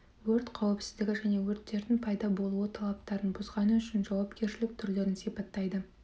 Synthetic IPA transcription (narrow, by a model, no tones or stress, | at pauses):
wɵɾt̪qʰɑwɪpsɪ̥zd̪ɪɡʲɪʒæne̞wɵɾt̪ːe̞ɾd̪ɪŋpʰɑjd̪ɑbo̞lˠuwət̪ʰɑlˠɑp̚t̪ɑɾənbʊzʁɑnəʏʃɪnʒɑwɑpkʲʰe̞ɾʃɪlɪk̚t̪ʰʏɾle̞ɾɪnsijpɑt̪ːɑjd̪ə